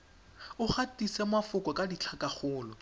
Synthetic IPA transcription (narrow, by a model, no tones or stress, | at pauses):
ʊχatisɛmafʊkʼɔkʼadit͡ɬʰakʼaχʊːlɔ